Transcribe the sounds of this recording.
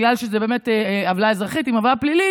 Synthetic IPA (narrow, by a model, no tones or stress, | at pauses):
lalʃezebe̞ːme̞tavlaezʁaχitimavlaplili